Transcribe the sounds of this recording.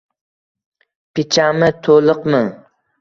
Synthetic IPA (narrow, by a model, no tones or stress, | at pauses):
pʰɪt͡ʃʰamɪt̪ʰolˠɨqmɨŋ